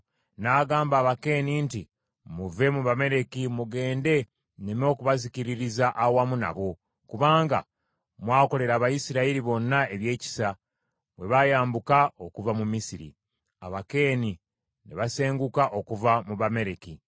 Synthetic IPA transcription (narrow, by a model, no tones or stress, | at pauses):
naɡaːmbaːβake̞ːninti | muve̞muβame̞ɾe̞kimuɡe̞ːnde̞ | nemo̞ːkuβaziciɾiɾizaʔawamuna̰βo̞ | kuβaːŋɡa̰ | mwaːko̞le̞ɾaːβajisiɾaiɾiβo̞nːae̞βje̞ːci̥sa | βwe̞βajaːmbukao̞kuvamumisiɾḭ | a̰βake̞ːni | neβase̞ːŋɡukaʔo̞kuvamuβame̞ɾe̞ki